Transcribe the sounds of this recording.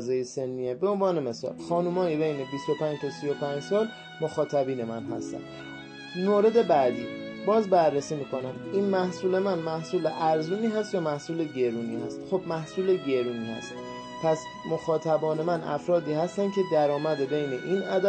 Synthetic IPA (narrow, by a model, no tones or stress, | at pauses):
zejese̞nːiebe̞onvɒːne̞me̞sɒ̰ːlxɒːnumɒːjebe̞jne̞bist̪o̞pʰæːnd͡ʒt̪ʰosijo̞pʰæɲd͡ʒsɒːl | moxɒːt̪ʰæbiːne̞mænɦæst̪æ̰nd̪ | moːɾe̞d̪e̞bæd̪iːbɒːzbærːesiːmiːkonæmiːnmæhsuːle̞mænmæhsuːleʔæɾzuːniːɦæst̪jɒːmæhsuːleɟe̞ɾuːniːhæst̪xobmæhsuːleɟe̞ɾuːniːhæ̰st̪ | pʰæs | moxɒːt̪ʰæbɒːne̞mænʔæ̰fɾɒːd̪iːhæst̪ænd̪̚cʰe̞d̪æɾɒːmæd̪ebe̞jne̞ʔiːnæd̪